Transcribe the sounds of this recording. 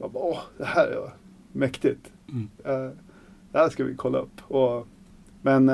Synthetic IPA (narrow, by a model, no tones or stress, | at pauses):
ɑbɔhd̪̥ɛhæːɾæ̰ɾjʊ̰ | mɛkt̪ɪt̪ | d̪̥ɛhæːʂkɑʋɪ̰kʰɔlːə̰ɔpːɔ | mɛn